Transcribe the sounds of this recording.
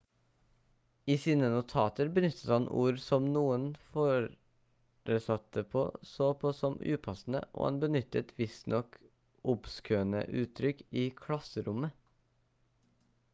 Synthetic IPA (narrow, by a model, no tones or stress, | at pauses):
iːsiːnənʊt̪ʰɑːt̪əɾbənʏt̪ʰːə̥t̪hɑnʔṵːɾsɔmnuːənfoːɾ | ɾəsɑt̪̚d̪əpʰo̰ːsoːpʰoːsɔmʉ̰ːpʰɑsn̩ə̰ʔo̰ːhɑ̰nbənʏt̪ːət̪ʰʋɪst̪nɔk | ʔʊpskøːənə̰ʔʉːt̪ʰːɾʏkiːkʰɽɑsəɾʊmə